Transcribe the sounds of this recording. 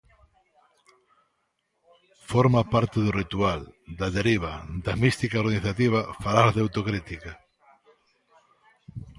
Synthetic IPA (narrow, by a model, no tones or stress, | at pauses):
foɾmapaɾt̪eðʊrit̪uald̪ɐðeɾiβ̞ad̪ɐmist̪ikaoɾɣaniθat̪iβ̞afaɾalðawt̪okɾit̪ika